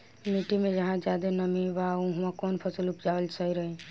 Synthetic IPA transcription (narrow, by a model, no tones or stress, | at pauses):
miʈimẽd͡ʒəɦãd͡ʒjad̪enəmĩʋaũɦumãkɔːnpʰəsəlupd͡ʒaəlsəiɾəɦĩ